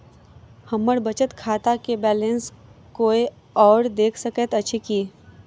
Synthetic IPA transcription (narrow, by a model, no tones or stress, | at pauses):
hɐmːəɽbət͡ʃət̪kʰaːt̪akebɛːlẽns | koːe | ɔːɾd̪eːkʰsəkət̪ɐtːʃʰekiː